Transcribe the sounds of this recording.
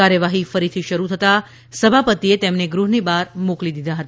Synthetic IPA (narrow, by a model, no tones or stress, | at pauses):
aɾjəʋaɦifəɾit̪ʰiʃəɾut̪ʰət̪a | səbʱapət̪iet̪emneɡɾuɦnibaɾmoklid̪id̪ʱaɦət̪a